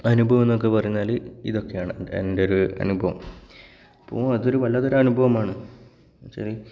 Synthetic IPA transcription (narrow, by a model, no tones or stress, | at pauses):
ɐnubʱɐʋɐmenːokːepɐrɐjuɲːaːlḭðo̞kːe̞jaːɳɨendeoɾuɐ̰nubʱɐʋɐ̰m | ɐpːo̰ːɐðo̞ɾuʋɐlːɐt̪oɾɐnubʱɐʋɐmaːɳɨ | ɕɐri